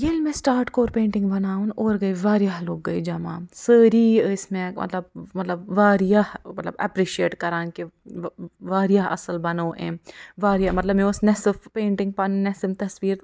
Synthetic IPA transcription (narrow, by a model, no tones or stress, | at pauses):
jelmẽsʈaːɾʈkoːɾpẽːɳʈɪ̃ŋɡbɐnaːũnoːɾɡɐiʋaːɾijaɦloːɡːɐid͡ʒɐma̰ːsəːɾiɪsmẽmɐ̰t̪ləb̚mɐt̪ləbʋaːɾijahmɐt̪lɐbɛ̰pɾiːʃieːʈkɐɾãːnki | ʋaːɾjaʔɐ̰səlbɐnoːʔḛ̃ːʋaːɾijamɐt̪lɐbmẽʊsnɛsɪfpẽːɳʈɪ̃ŋɡ̚pɐnɛsɪmt̪ɐsʋiːɾ